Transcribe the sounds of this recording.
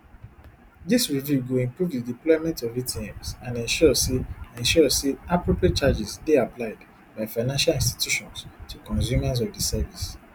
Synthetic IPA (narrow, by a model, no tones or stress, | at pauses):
disɹivjuɡoĩmpɹuvdidiplɔɪmɛ̃ntɔvitĩɛ̃msãnɛ̃nʃɔseɛ̃nʃɔseapɹopɹiet̚t͡ʃad͡ʒisdeaplaɪd | baɪfaɪnãnʃalĩnsti̥tjuʃɔ̃nstʰukɔ̃nsumas̬ɔvdisɛvis